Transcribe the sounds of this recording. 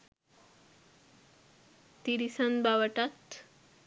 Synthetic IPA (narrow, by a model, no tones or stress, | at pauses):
t̪iɾisanbaʋəʈat̪